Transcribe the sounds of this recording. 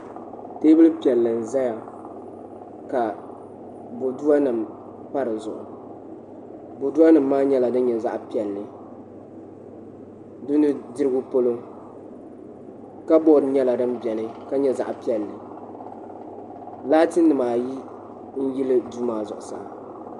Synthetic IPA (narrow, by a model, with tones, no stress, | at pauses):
teː˦bɨ˦lɨ˦pi˨ɛ˨lːɨ˨n̩˨za˦ja˨ | ka˨ | bo˨du˦wa˦nɨ˨m | pa˦ɾɨ˨zʊ˨ʔʊ˨ | bo˨du˦a˦nɨ˨m̩ːaː˦ɲɛ˦la˨dɨ˦n˦ɲɛ˨za̰˦ʔpi˦ɛ˨lːɨ˨ | dʊ˦nɨ˦dɨ˦ɾɨ˦ɡʊ˦po˦lo˦ | ka˦bɔ˦˨dɲɛ˦la˨dɨ˦mbɛ˨nɨ˦ka˦ɲɛ˦za̰˨ʔpi˦ɛ˨lːɨ˨ | laː˦tɨ˦nː˦ɨ˨maː˨ji˦ | n̩˦ji˦lɨ˦duː˦maː˨zʊ̰˨ʔʊ˨sa̰˨